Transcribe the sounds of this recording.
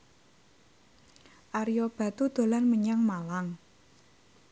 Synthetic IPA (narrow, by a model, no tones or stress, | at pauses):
ʔaɾijɔb̥ä̤t̪ud̪̥o̤lanməɲaŋmalaŋ